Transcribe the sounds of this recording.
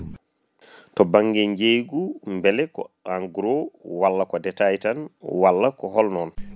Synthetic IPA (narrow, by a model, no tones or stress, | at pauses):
tɔbaŋɡɛɲd͡ʒejɡumbɛlɛkɔ̰aŋɡuɾɔwalːakɔdɛtajtanwalːakɔɦɔlnɔn